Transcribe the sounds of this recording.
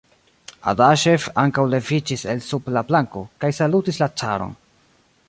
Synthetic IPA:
a̰daʃe̞faŋkawle̞vid͡ʒise̞lsublaplaŋko̞kajsalutislat͡saɾo̰n

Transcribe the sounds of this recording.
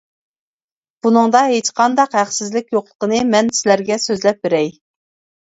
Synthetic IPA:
b̥unɨŋd̪ɑɦet͡ʃqʰɑnd̪ɑqhæχsɪzlɪk̚ʲjoqlˠə̥qənɨmɛnsɪlæɾɡʲɛsøzlɛp̚beɾɛj

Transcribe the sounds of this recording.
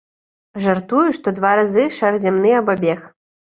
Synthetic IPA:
ʐart̪ujuʂt̪ɔd̪vaɾazɨʂarzʲamnɨɐbɔbʲɛx

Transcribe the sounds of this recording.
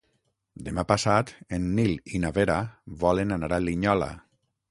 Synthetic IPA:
d̪emapasat̪enːilinaβeɾaβɔlenanaɾaliɲɔla̰

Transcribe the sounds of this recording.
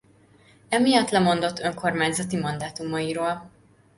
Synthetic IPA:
ɛmijɒt̪lɛmo̞nd̪o̞t̪ʰːøŋko̞rmaːɲzɒt̪imɒnd̪aːt̪umɒiɾoːl

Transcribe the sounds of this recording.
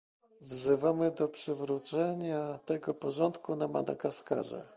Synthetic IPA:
vzɘvamɘd̪ɔpʂɘvɾut̪sɛɲat̪ɛɡɔpɔʐɔnt̪kunama̰d̪a̰kaska̰ʐɛ̰

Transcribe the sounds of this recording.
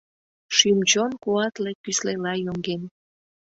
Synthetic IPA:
ʃymt͡ɕonkuɑt̪lekkːyslelɑjoŋɡen

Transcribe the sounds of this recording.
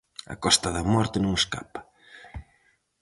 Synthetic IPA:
ɐ̰kɔst̪ɐðɐmɔɾt̪ɪnõŋeska̰pɐ̥

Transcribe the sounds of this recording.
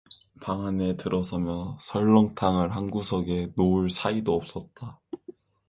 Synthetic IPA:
paŋane̞tɯɾʔʌsʰʌmjʌsʰʌɭːʌŋtʰaŋɯɭɦanɡusʰʌɡe̞noɭsʰaidoʌp̚s͈ʌt̚t͈a

